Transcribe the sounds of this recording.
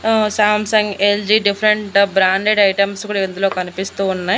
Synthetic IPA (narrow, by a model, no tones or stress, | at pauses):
saːmsɐŋɡeld͡ʒiːɖipʰɐɾeɳʈbɾaːɳɖeɖɐjʈɐmskuːɽaend̪ulo̞ːkɐnipist̪uːunːaj